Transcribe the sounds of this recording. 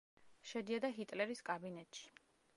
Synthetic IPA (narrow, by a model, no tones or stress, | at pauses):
ʃɛd̪iad̪aɦit̪ʼlɛɾiskʼabinɛt̪ʼʃi̥